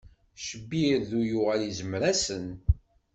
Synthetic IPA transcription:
ʃəbːiɾðujʊʁælizəmɾæsən

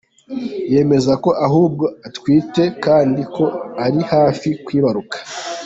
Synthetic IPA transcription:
je̞ːme̞zako̞ʔaɦuːb̚ɡo̞atwiːte̞kaːndikʰo̞aɾihaːfikwiːβaɾukḁ

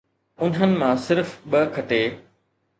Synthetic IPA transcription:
ʊn̤ənɪ̆mãsɪɾfɓəkʰɐʈeː

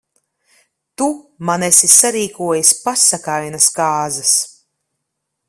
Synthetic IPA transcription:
t̪umanɛsisaɾiːkuɔjisʲpasakajnaskaːzas

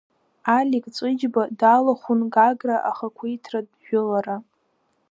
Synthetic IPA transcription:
alʲikʼt͡sʼɨd͡ʒbadalaχʷʊnɡaɡraʔaχakʷʰʊjtʰradʒᶣʊlaɾa

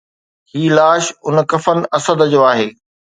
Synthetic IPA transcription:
hiːlaːʃʊnkɐfənɪ̆ɐsəd̪d͡ʑoːaːɦeː

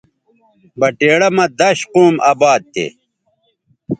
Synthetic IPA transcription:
bɐʈeːɽɐmɐd̪ɐɕquːmaːbaːd̪̚t̪ḛ

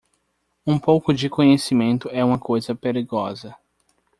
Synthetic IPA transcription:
ũpowkʊd͡ʒɪkõɲesimẽnt̪ʊɛũmɐkojzɐpeɾiɡɔzɐ

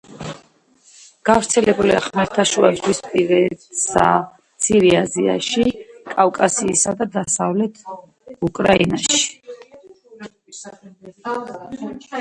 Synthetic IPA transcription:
ɡ̥avɾt̪sʰɛlɛbuliaχmaɾt̪ʰaʃuazʁwispʼivɛsa | t̪sʰiɾiazia̰ʃikʼafkʼasiːsad̪ad̪asavlɛt̪ʰ | ukʼɾainaʃi̥

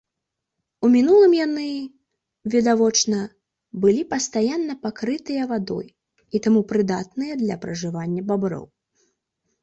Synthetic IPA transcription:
umʲinulˠɨmjanɨ | vʲid̪avɔt͡ʂnɐ | bɨlʲipɐst̪ajanːɐpakɾɨt̪ɨjɐvad̪ɔ̰j | it̪amupɾɨd̪at̪nɨjɐd̪lʲɐpɾɐʐɨvanʲːɐbabɾɔ̰w

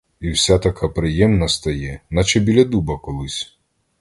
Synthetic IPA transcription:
iwsʲat̪ɐkʰapɾɪjɛmnɐst̪ɐjɛnɐt͡ʃɛbʲilʲɐd̪ubɐkɔlˠɪsʲ

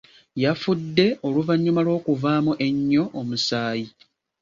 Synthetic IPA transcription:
jafudːe̞o̞luvaɲːumalwo̞ːkuvaːmuʔe̞ɲːo̞ʔomusaːji

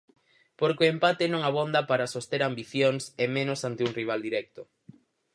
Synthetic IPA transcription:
poɾkoempat̪enõŋaβ̞ond̪apaɾasost̪eɾambiθjoŋsemẽnosant̪euŋriβ̞ald̪iɾɛk̚t̪o

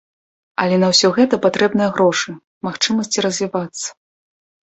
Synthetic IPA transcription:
ɐlʲɛnɐwsʲɔɣɛt̪ɐpat̪ɾɛbnɨjɐɣɾɔʂɨ | maxt͡ʂɨmɐsʲt͡sʲiɾɐzʲvʲivat̪sːɐ̥

